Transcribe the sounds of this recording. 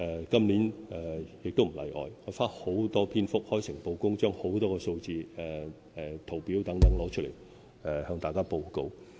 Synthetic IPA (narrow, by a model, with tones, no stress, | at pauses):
ʔɛ˨kɐ˥mliː˨˥nɛː˨˩jɪ˨k̚t̪o˥wm̩˨˩lɐ̰˨˩jʔɔ̰ː˨˧jŋɔː˨˧˥faː˥ho˨˥wt̪ɔː˥pʰiː˥nfʊ˥k̚hɔː˥jsɪ˨˩ŋpo˧wkʊ˥ŋt͡ʃœː˥ŋho˨˥wt̪ɔː˥kɛː˧so˧wt͡siː˨˧ɛ˨ | ɛ˨t̪ʰo˨˩wpiː˨˥wt̪ɐ˨˥ŋt̪ɐ˨˥ŋlɔː˨˧˥t͡ʃ̚ʰle˨˩j | ɛ˨hœː˧ŋt̪aː˨jkaː˥po˧wko˧w